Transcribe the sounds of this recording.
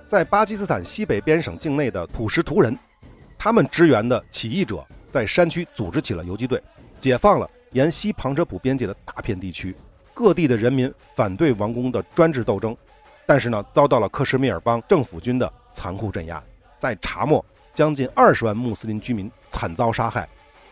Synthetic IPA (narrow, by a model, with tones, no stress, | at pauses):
t͡sa˥˩ɪpa˥t͡ɕi˥sɹ̩˥t̪ʰa˨˩nɕi˥pe˨˩ɪpjɛ˥nʂɤ˨˩ŋt͡ɕi˥˧ŋne˥˩ɪd̪ə˩t̪ʰu˨˩ʂɻ̩˧˥t̪ʰu˧˥ɻə˧˥n | t̪ʰa˥mə˨nʈ͡ʂɻ̩˧˥ɥɛ˧˥nd̪ə˧t͡ɕʰi˨˩i˥˩ʈ͡ʂɤ̰˨˩˦t͡sa˥˩ɪʂa˥nt͡ɕʰy˥t͡su˨˩ʈ͡ʂɻ̩˧˥t͡ɕʰi˨˩lə̰˦jo˧˥ʊt͡ɕi˥t̪we˥˩ɪ | t͡ɕjɛ˨˩fɑ˥˩ŋlə̰˩ | jɛ˧˥nɕi˥pʰɑ˧˥ŋʈ͡ʂʰɤ˥pʰu˨˩pjɛ˥nt͡ɕjɛ˥˩d̪ə˩t̪a˥˧pʰjɛ˥˧nt̪i˥˩t͡ɕʰy˥ | kɤ˥˧t̪i˥˩d̪ə˩ɻə˧˥nmi˧˥n | fa˨˩nt̪we˥˩ɪwɑ˧˥ŋkʊ˥ŋd̪ə˨ʈ͡ʂwa˥nʈ͡ʂɻ̩˥˧t̪o˥˩ʊʈ͡ʂɤ˥ŋ | t̪a˥˧nʂɻ̩˥˩nə˩t͡sɑ˥ʊt̪ɑ˥˩ʊlə˩kʰɤ˥˧ʂɻ̩˥˧mi˥˩ə˞˨˩pɑ˥ŋʈ͡ʂɤ˥˩ŋfu˨˩t͡ɕy˥nd̪ə˨˩ | t͡sʰa˧˥nkʰu˥˧ʈ͡ʂə˥˩nja̰˥ | t͡sa˥˩ɪʈ͡ʂʰa̰˧˥mwɔ˥˩ | t͡ɕjɑ˥ŋt͡ɕi˥˧nɐ˞˥˩ʂɻ̩˧˥wa˥˧nmu˥˩sɹ̩˥li˧˥nt͡ɕy˥mi˧˥nt͡sʰa˨˩nt͡sɑ˥ʊʂa˥xa˥˩ɪ